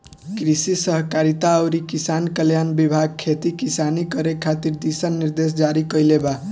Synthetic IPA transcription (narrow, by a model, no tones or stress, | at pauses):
kɾisisʌɦkaɾit̪aəwɾikisankəljanbibʱaɡ̚kʰet̪ikisanikʌɾekʰːat̪iɾd̪isənːiɾd̪es̬d͡ʒaɾikəjleba